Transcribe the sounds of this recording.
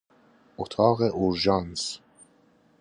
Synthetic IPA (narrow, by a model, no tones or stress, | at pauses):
ot̪ʰɑːɣeʔuɾʒɑns